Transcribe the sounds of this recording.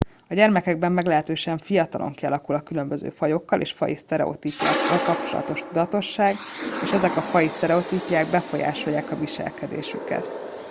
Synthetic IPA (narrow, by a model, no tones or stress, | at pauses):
ɒɟɛrmɛkɛɡ̚bɛmːɛɡlɛɦɛt̪øːʃɛɱfijɒt̪ɒlʔo̞̰ŋkiɒlɒkulɒkylø̞mbø̞zø̰ːfɒjo̞kːɒlʔḛːʃfɒ̰jist̪ɛɾɛ̰o̰t̪iːpja̰ːkːɒlkɒpt͡ʃo̞̰lɒ̰t̪oʃt̪ud̪ɒt̪o̞ʃːaːɡeːʃɛzɛkɒfɒjist̪ɛɾɛot̪iːpijaːɡbɛfo̞ja̰ːʃo̞jːaːkɒviʃɛ̰lkɛd̪ḛːʃykɛ̰t̪